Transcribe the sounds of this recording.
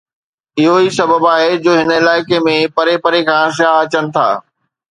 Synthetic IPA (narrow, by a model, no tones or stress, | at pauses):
ɪɦoisɐbʱəbaːɦed͡ʑoːɦɪnəɪlaːɪkemẽpɐɾepɐɾekʰãːʃaːɦɐt͡ɕənɪ̆t̪ʰa̰ː